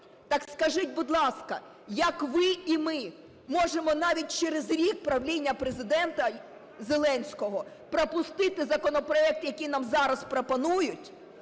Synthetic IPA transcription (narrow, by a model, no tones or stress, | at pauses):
t̪ɑkskɐʒɪtʲbʊd̪lˠɑskɐ | jɐkʋɪimɪ | mɔʒemɔnɑʋʲit̚ʲt͡ʃeɾezɾʲik̚pɾɐwlʲinʲːɐpɾezɪd̪ɛnt̪ɐ | zelˠɛnʲsʲkɔɦɔ | pɾɔpʊst̪ɪt̪ɪzɐkɔnɔpɾɔɛk̚t̪jɐkʲinɑmzɑɾɐspɾɔpɔnujʊtʲ